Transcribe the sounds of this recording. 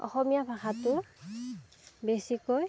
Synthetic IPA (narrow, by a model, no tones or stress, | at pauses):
ɔ̰xɔmijabʱaxatʊ | besikoj